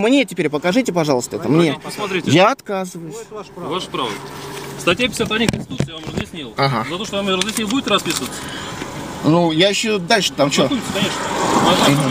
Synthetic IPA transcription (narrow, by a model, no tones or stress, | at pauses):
mnʲetʲɪpʲeɾʲpəkɐʐɨtʲɪpɐʐɑlˠəst̪əɛt̪əmnʲesmɐt̪ɾʲitʲjaɐt̪kazɨvəjʊsʲvaʂə̥pɾavd̪ˠst̪ɐtʲjap̬ʲɪ̥sʲat̪ɐdʲnʲikənsʲtʲɪt̪ut̪sɨjavamrəzjɪsʲnʲilˠaɦazɐt̪oʂt̪ovamʲeɾəzjʲɪsʲnʲilˠbudʲɪt̪ɾɐspʲisəvət̪sə̥ | nujaɪɕːod̪alʲʂɨə̥t̪amt͡ɕouk̪kɐnʲeʂnə